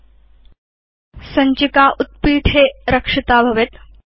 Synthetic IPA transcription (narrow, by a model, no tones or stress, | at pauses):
səɲt͡ɕikaʔut̪̚piːʈʰeɾəkʂɐt̪aːbʱɐʋet̪